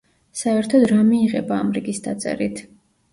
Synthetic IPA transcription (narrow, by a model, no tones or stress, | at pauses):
saɛɾt̪ʰɔd̪ɾamiːʁɛ̰baːmɾiɡisd̪at̪sʼɛ̰ɾit̪ʰ